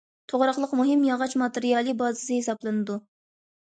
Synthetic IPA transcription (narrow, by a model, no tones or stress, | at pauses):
t̪ʰoʁɾɑχlˠəqmuɦɨmjɑʁɑt͡ʃmɑt̪ɨɾijɑlˠɨbɑːzɨzɪhesɑblˠɨnɨd̪u